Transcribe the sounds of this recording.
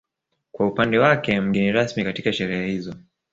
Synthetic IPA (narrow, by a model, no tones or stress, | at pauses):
kwaupandɛwakɛm̩ɠɛniɾasmikatikaʃɛɾɛɛhizɔ